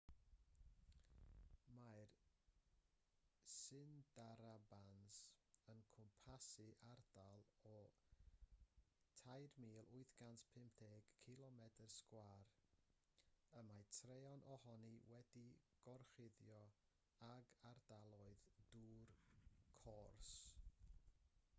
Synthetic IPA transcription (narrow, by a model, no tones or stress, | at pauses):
mar | sɨndaɾabansənkʰʊmpʰasɨʔard̥alˠɔ | tʰajrmiːlˠʔʊɨθɡ̥antpʰɪmpθʰeːɡ̥kʰilˠɔmɛdərskwar | əmatʰreɔnʔɔhɔniwɛdiɡ̥ɔrχɪðjɔ | aɡardalˠɔɨðd̥uːrkʰɔrs